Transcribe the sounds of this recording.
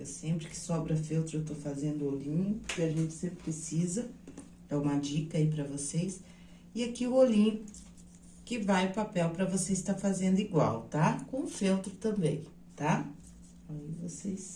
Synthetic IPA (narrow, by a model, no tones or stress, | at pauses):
ɛsẽmpɾɪkɪ̥sɔbɾɐfewt̪ɾʊewt̪ofazẽnd̪ʊolĩʊkɪaʒẽnt͡ʃɪ̥sẽpɾɪpɾesizɐ | ɛũmɐd͡ʒikɐip̬ɾɐvosejs | ɪakiʊolĩ | kɪvajʊpapɛwpɾɐvoseɪst̪afazẽnd̪ʊiɡwa̰wt̪akõʊfewt̪ɾʊt̪ɐ̃mbẽj̃ | t̪a | aivoses